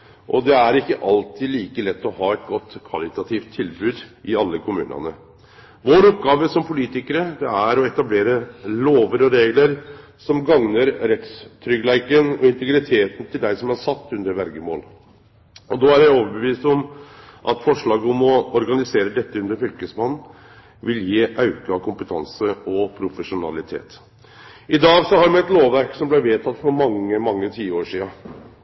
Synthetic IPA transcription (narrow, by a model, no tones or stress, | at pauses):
ʔɔd̪ɛæɾɪkːəʔɑlt̪ʰiliːkəlɛt̪ːɔhɑːɛt̪̚ɡɔt̪ːkʰʋɑlɪt̪ɑt̪ʰiːft̪ʰːɪlbʉːd̪ʔɪɑlːəkʰʊmʉ̰ːnɑ̰nə̰ | ʋoːɾɔp̚ɡɑːʋəsɔmpʰʊliːt̪ɪkəɾəd̪ɛæɾɔɛt̪ɑbleːɾəloːʋəɾɔɾeːɡləɾ | sɔmɡɑŋnəɾɾɛt̪st̪ʰɾʏɡlæɪkənɔ̰ɪnt̪ɛɡɾɪt̪ʰeːt̪n̩t̪ʰɪld̪æɪsɔmhɑʂɑt̪ːʉnd̪əɾʋɛɾɡəmo̰ːl | ɔd̪ɔːæɾjæɪoːʋəɾbəʋiːst̪ɔmʔɑt̪fɔʂɭɑːɡəɔmɔɔɾɡɑnɪseːɾəd̪ɛt̪ːəʉnd̪əɾfʏlkəsmɑnn̩ | ʋɪljiːʔɑʉkəɑkʰʊmpət̪ʰɑ̰nsəɔpʰɾʊfəʂʊnɑ̰lɪt̪ʰḛːt̪ | ɪd̪ɑːɡsɔhɑɾmɛɛt̪loːʋʋæɾksɔmblæʋeːt̪ʰɑt̪ːfɔɾmɑŋːəmɑŋːət̪ʰiːəoːʂiːɑ